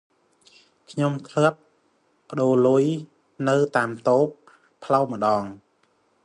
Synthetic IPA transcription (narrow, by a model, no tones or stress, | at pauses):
kʰɲomt̪ʰlɨəp̚ː | ə̆ɗoːluəj | nɨwt̪aːmt̪oːpʰː | lawmə̆ɗɑːŋ